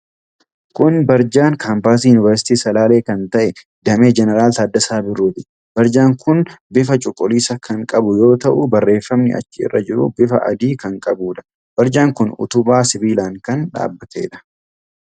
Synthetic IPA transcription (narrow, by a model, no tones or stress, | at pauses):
kʊnbɐɾd͡ʒaːŋkʰaːmpaːs̬iːjʊnɪvɐɾsɪ̥t̪iːsɐlaːle̞ːkɐnt̪ɐʔɛ | d̪ɐme̞ːd͡ʒɛnɛɾaːlt̪ɐːd̪ːɐsaːbɪruːt̪ɪ̥ | b̥ɐɾd͡ʒaːŋkʰʊnbɪfɐt͡ʃʼʊkʼːʊliːsɐkʰɐŋkʼɐbʊjo̞ːt̪ɐʔʊbɐrːe̞ːfːɐmnɪ̰ɐ̰t͡ʃːɪɪ̰rːɐ̰d͡ʒɪɾʊ̰bɪfɐ̰ʔɐ̰d̪iːkɐŋkʼɐbuːᶑɐ̥ | b̥ɐɾd͡ʒaːŋkʊnʊ̰t̪ʊbaːsɪbiːlaːŋkɐnᶑa̰ːbːɐt̪ʰeːᶑɐ̥